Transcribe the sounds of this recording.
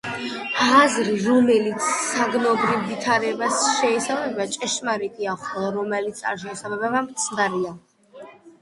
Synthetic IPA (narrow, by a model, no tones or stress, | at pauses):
azɾiɾɔmɛlit̪sʰsaɡnɔbɾivvit̪ʰaɾɛbasʃɛisalmɛbat͡ʃʼɛʃmaɾikʼiaχɔlˠaɾɔmɛlit̪sʰa̰ɾʃɛisamɛbɛbamt̪sʰnaɾia